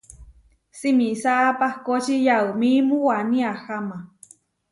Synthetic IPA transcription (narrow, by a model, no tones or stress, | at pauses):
simisapahkot͡ʃijaumimũwaniaxama